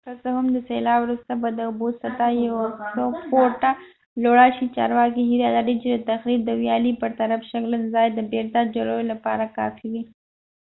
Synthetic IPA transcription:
kasəhʊmd̪əselɑwɾust̪abad̪əʊbosat̪ajawsopoʈa | loɽaʃit͡ʃɑ̰ɾwɑkiɦiɾiad̪aɽit͡ʃed̪ət̪axɾib̚d̪əwjɑlipəɾt̪aɾafʃaklənzɑjd̪əbeɾt̪ad͡ʒaɾojolapɑ̰ɾakɑ̰fiwi

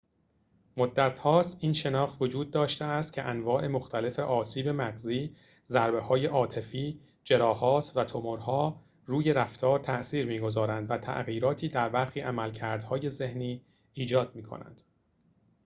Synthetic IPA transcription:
mod̪ːæt̪ʰhɒːst̪ʔiːnʃe̞nɒːxt̪vo̞d͡ʒuːd̪̚ːɒːʃt̪eæst̪̚cʰe̞ʔænvɒːʔe̞mo̞xt̪ʰæle̞fe̞ʔɒːsiːbe̞mæɣziː | zæɾbe̞hɒːje̞ʔɒːt̪ʰe̞fiː | d͡ʒe̞ɾɒːhɒːt̪ʰvæt̪ʰomoɾhɒː | ruːje̞ɾæft̪ʰɒːɾt̪ʰæʔsiːɾmiːɡo̞zɒːɾænd̪væt̪ʰæ̰ʔɣiːɾɒːt̪ʰiːd̪æɾbæɾxiːʔæmælcʰæɾd̪hɒːje̞ze̞hniː | iːd͡ʒɒːd̪̚miːkʰo̰næ̰nd̪̥

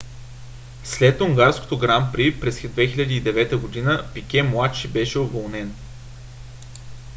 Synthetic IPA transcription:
slɛt̪ʊŋɡaɾsko̥t̪oɡɾampɾipɾɛsd̪vɛxilʲɐd̪iiːd̪ɛvɛt̪əɡod̪inəpikʲɛmlˠat̪ʃibɛʃɛovolˠnɛn

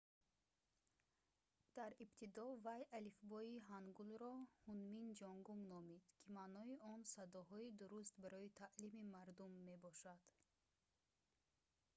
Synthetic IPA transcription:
d̪̥aɾibt̪ʰid̪ɔvajʔalifbɔiɦanɡulɾɔhunmind͡ʒɔŋɡumnɔmid̪̥kʰimanɔiʔɔnsad̪ɔɦɔid̪uɾust̪baɾɔit̪ʰaʔlimimaɾd̪umːe̞bɔʃad̪̥

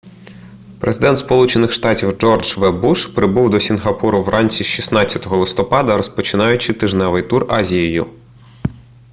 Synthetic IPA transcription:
pɾʔḛzɪd̪ɛnt̪spɔlˠut͡ʃenɪxʃt̪ɑtʲiwd͡ʒɔrd͡ʒʋɛbuʃpɾɪbuwd̪ɔsʲinɦɐpuɾʊwrʔɑnʲt͡sʲiʃisnɑsʲɐt̪ɔɦɔlˠɪst̪ɔpɑd̪ɐɾɔspɔt͡ʃɪnɑjʊt͡ʃɪt̪ɪʒnɛʋɪjt̪urɑzʲijɔjʊ̰

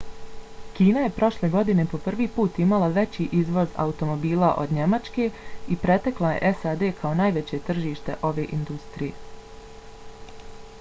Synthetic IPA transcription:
kiːnaje̞pɾo̞ʃle̞ɡo̞d̪ine̞po̞pr̩ʋiːpuːt̪imalˠaʋe̞t͡ɕiʔizʋo̞za̰ut̪o̞mo̞biːlˠaʔo̞d̪ɲe̞mat͡ʃke̞ipɾe̞t̪eklˠajḛʔesaːd̪e̞ːkʰao̞najʋe̞t͡ɕe̞t̪r̩ʒiːʃt̪e̞ʔo̞ʋe̞ːʔind̪ust̪ɾije̞̰

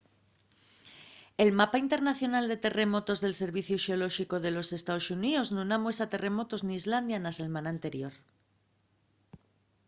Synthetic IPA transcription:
e̞lmapaint̪e̞ɾnaθjo̞nald̪e̞t̪e̞re̞mo̞t̪o̞zðe̞lse̞ɾβ̞iθjoʃeo̞lo̞ʃiko̞ðe̞lo̞se̞st̪aosunioznunamwe̞sat̪e̞re̞mo̞t̪o̞zniːzland̪janaselmanant̪e̞ɾjo̞ɾ

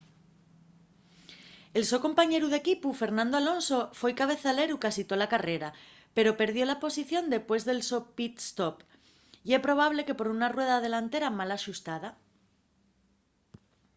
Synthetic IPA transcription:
e̞lso̞ko̞mpaɲe̞ɾuð̞e̞kipufe̞ɾnãnd̪oalo̞nso̞fwe̞jkaβ̞e̞θale̞ɾukasit̪o̞lakare̞ɾa | pe̞ɾo̞pe̞ɾð̞jo̞lapo̞siθjo̞nd̪e̞pwe̞zðe̞lso̞pit̪st̪op | ie̞pɾo̞β̞aβle̞ke̞po̞ɾunarwe̞ð̞að̞e̞lant̪e̞ɾamalaʃust̪að̞a

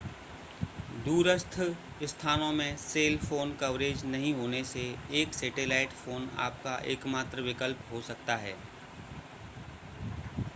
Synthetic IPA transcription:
d̪uːɾəst̪ʰ | ɪst̪ʰaːnõmẽseːlfoːnkɐʋɾeːd͡ʒnɐɦĩɦoːneseeːksɛːʈelaːɪʈfoːna̰ːp̚kaʔḛːkmaːt̪ɾəʋɪkəlpɦosɐkt̪aɦɛː

